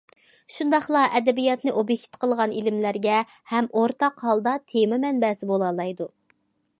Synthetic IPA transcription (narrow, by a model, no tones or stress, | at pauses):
ʃund̪ɑχlˠɑʔɛd̪ɛbijɑt̪nɨʔobjekʲt̪qʰəlˠʁɑnilɪmlæɾɡʲɛ | hɛmoɾt̪ɑqhɑlˠd̪ɑt̪ʰemɛmɛnbɛsɪbolˠɑlˠɑjd̪u